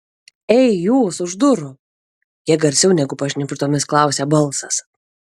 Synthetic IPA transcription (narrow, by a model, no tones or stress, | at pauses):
ɛɪjuːsʊʒd̪ʊɾʊ | jiɛɡɐɾʲsʲɛʊnʲɛɡʊpɐʃʲnʲɪpʲɾt̪oːmʲɪsklˠɑˑʊsʲɛːbɐlˠsɐs